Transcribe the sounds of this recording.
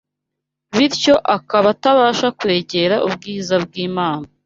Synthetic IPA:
βiɾco̞ʔakaβataβaːʃakwe̞ːɟe̞ɾaʔubɡiːzabɡiːmaːna

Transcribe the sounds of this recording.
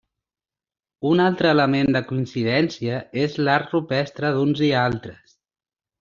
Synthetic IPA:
unalˠt̪ɾəːləmend̪əkuinsiðɛnsiəezlaɾrupɛst̪ɾəðunzialˠt̪ɾəs

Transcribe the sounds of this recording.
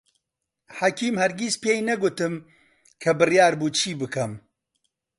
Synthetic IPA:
ħɐkʰiːmhɐɾɡispeːjnɐɡʊt̪ɨm | kʰɐbɨrjaːɾbuːt͡ʃʰiːbɨkʰɐm

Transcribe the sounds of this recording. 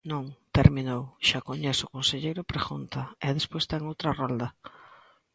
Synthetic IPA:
nõŋt̪eɾminowʃakoɲesʊkonseʎejɾʊpɾexunt̪ɐɛðespojst̪ɛŋowt̪ɾɐrald̪ɐ

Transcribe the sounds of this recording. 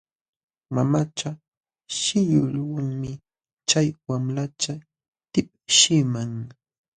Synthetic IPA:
mamat͡ʃa | ʃɪʎʊʎwaŋmɪ | t͡ʃajwamlat͡ʃa | t̪ɪp̚ | ʃɪmaŋ

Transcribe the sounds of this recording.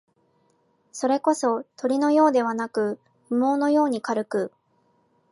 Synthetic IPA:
so̞ɾe̞ko̞so̞t̪o̞ɾʲino̞jo̞ːd̪e̞β̞anakɯ̟ | ɸɯ̟mo̞ːno̞jo̞ːɲ̟ikaɾɯ̟kɯ̟

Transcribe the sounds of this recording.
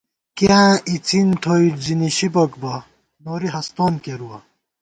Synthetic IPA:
kãʔit͡sint̪ʰoiʈd͡ziniɕibokbɐ | noːɾiɦɐst̪oːnkeɾuɐ

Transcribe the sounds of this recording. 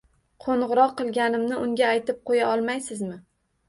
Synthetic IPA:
qʰoɴʁɨɾɒqːɨlˠɡʲanɪmnɪʊŋɡʲaːjt̪ɪp̚qʰojaɒlˠmajsɪzmɪ

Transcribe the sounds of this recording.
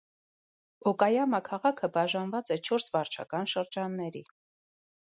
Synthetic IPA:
ɔkɑjɑməkʰɑʁɑkʰəbɑʒɑnvɑt͡sɛt͡ʃʰɔɾsvɑɾt͡ʃʰɑ̰kɑnʃəɾd͡ʒɑnːɛɾi

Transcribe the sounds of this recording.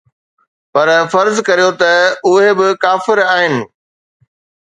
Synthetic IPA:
pɐɾfɐɾzkɐɾijot̪ɐʊɦebɪkaːfɪɾaːɦɪnɪ̆

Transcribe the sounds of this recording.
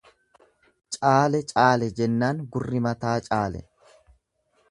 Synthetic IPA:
t͡ʃʼaːlɛt͡ʃʼaːlɛd͡ʒɛnːaːŋɡʊrːɪmɐt̪aːt͡ʃʼaːlɛ̰

